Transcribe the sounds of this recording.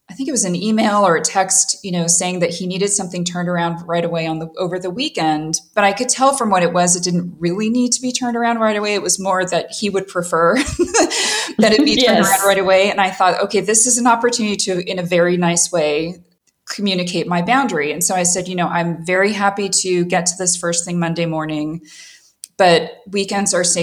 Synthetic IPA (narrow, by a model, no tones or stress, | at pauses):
aɪθɪ̃ŋkɨt̚wʌzɨ̃nimeɪlˠə˞ɨtʰɛkstjɨñoʊseɪɪ̃ŋðɨt̚hiniɾɨd̥sʌ̃mθɪ̃ŋtʰɜ̃˞ndə˞ãʊ̃ndɹaɪɾəweɪə̃nðəʔoʊvə˞ðəwikɛ̃ndb̥ʌɾaɪkɨd̚tʰɛlˠfɹʌ̃mwʌɾɨt̚wʌzɨt̚d̥ɪdⁿn̩t̚ɹɪlˠinid̚tʰɨbitʰɜ̃˞ndə˞ãʊ̃ndɹaɪɾəweɪɨt̚wʌzmɔɹðɨt̚hiwɨd̚pʰɹ̥ɨfɜ˞ | ðɨɾɨt̚b̥itʰɜ̃˞də˞ãʊ̃ndɹaɪɾəweɪɨ̃naɪθɔto̰ʊkʰeɪðɪsɨzɨ̃n̩ɑpə˞tʰʉnɨɾiɾɨɨ̃nɨvɛɹinaɪsweɪ | kʰm̩jʉñɨkʰeɪt̚maɪbãʊ̃ndɹiɨ̃nsoʊaɪsɛdjɨnoʊʔã̰ɪ̃ɱvɛɹiɦæpiɾɨɡɛtʰɨðɪsfɜ˞sθɪ̃ŋmʌ̃ndeɪmɔɹnɪ̃ŋ | b̥ʌt̚wikɛ̃ndzə˞seɪ